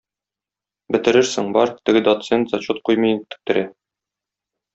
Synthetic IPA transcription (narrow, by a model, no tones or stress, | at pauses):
bɘ̆t̪ɘ̆ɾɘɾsɘŋbɒɾt̪ɘ̆ɡɘd̪ot̪sent̪zɑt͡ɕut̪̚qujmɤjt̪ːɘ̥̆k̚t̪ɘ̆ɾæ